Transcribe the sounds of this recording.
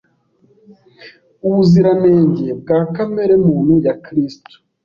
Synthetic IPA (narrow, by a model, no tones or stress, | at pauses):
uβuziɾame̞ːɲɟeb̚ɡaːkame̞ɾemuːn̥hujakɾistu̥